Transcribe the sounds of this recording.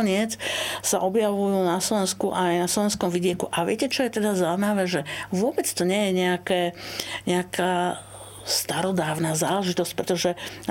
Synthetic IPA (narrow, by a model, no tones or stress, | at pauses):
ɲɪɛt͡ssaʔɔbjaʋujuːnaslɔʋɛnskuʔajnaslɔʋɛnskɔmʋiɟɪɛkuʔaʋɪɛcɛt͡ʃɔjɛt̪ɛd̪azaʊjmaʋɛːʒɛʋʊɔbɛt͡st̪ɔɲɛjɛɲɛakɛːɲɛakaː | st̪aɾɔd̪aːʊnaːza̰ːlɛʒit̪ɔsc̚pɾɛt̪ɔʒɛ